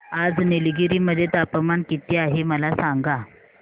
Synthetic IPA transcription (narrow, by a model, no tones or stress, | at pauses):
ad͡znelɡiɾiməd̪ʱːjet̪apəmankit̪iaɦeməlasaŋɡa